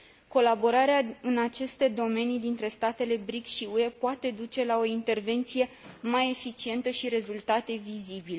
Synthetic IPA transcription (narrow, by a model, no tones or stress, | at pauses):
ko̞labo̞ɾaɾeaɨnat͡ʃe̞st̪e̞d̪o̞me̞nid̪int̪ɾe̞st̪at̪e̞le̞bɾikʃiue̞poat̪e̞d̪ut͡ʃe̞lao̞int̪e̞rve̞nt̪sije̞ | maje̞fit͡ʃie̞nt̪əʃiɾe̞zult̪at̪e̞vizibile